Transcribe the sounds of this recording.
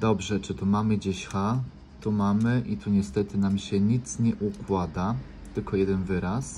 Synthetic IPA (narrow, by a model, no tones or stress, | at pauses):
d̪ɔbʐɛt͡ʂɘt̪umamɘd͡ʑeɕxa | t̪umamɘʔit̪uɲɛst̪ɛt̪ɘnamɕɛɲit̪sɲɛʔukwad̪a | t̪ɘlkɔjɛd̪ɛnvɘɾas